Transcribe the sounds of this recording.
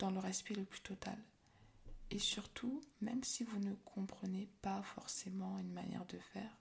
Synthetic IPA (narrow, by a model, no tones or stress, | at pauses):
d̪̥ɑ̃ləʁɛspɛləply̥t̪ɔt̪a̰l | esyʁt̪ʰumɛmsivunəkʰɔ̃pχənepafɔʁsemɑ̃ynma̰njɛ̰ʁd̪əfɛːʁ